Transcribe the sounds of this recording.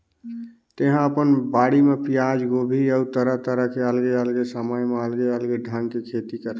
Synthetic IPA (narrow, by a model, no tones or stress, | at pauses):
t̪eɦãəpənbaɽimepijad͡ʒɡobʱiəut̪əɾəɦt̪əɾəɦkeəlɡeəlɡesəməjmeəlɡeəlɡeɖʱəŋkekʰet̪ikəɾ